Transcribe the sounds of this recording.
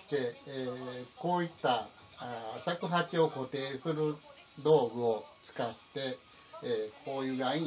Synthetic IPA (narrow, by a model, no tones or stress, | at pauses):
t̪e | koːit̪ːa | sakɯɦat͡ʃiokot̪eːsɨɾɯ | d̪oːɡɯot͡sɨ̥kat̪ːe | koːjuɡaĩ